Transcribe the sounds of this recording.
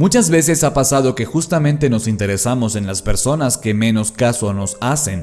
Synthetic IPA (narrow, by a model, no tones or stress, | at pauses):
mut͡ʃazβe̞s̬e̞sapasað̞o̞ke̞xust̪amẽ̞nt̪e̞no̞sint̪e̞ɾe̞samo̞se̞nlaspe̞ɾso̞naske̞me̞no̞skaso̞no̞sase̞n